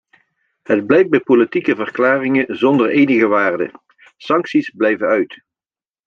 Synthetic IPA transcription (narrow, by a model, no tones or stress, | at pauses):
ɦəd̚blɛj̚bɛjpolitikəvərklaːrɪŋəzɔndərejnəɣəʋaːrdə̰ | sɑŋksizblɛjvənœɥt